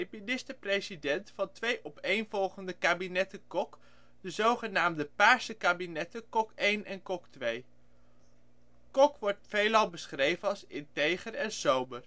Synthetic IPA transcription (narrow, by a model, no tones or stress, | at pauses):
minɪstəprejzidɛntfɑntʋejʔɔpejnvɔlˠχəndəkaːbinɛtəkɔk | d̥əzowχənaːmdəpaːɹsəkaːbinɛtəkɔkejnʔɛnkɔktʋej | kɔkʋɔɹtfejlɑlˠbəsχrejvənɑlˠsɪntejχəɾɛnsowmər